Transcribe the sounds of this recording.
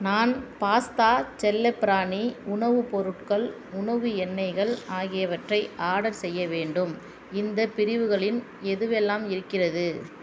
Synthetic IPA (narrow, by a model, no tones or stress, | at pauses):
naːnpaːst̪aːt͡ʃɛlːɛpːɪɾaːɳiʊɳɐʋɯpɔɾɯʈkɐɭ | ʊɳɐʋɯɛnːɐɪɣɐɭaːɣɪjɐʋɐʈrɐɪʔaːɽɐlsɛjːɐʋeːɳɖɯm | ɪnd̪ɐpɪɾɪʋɯɣɐɭɪn | ɛðɯʋɛlːaːmɪɾɯkːɪrɐðɯ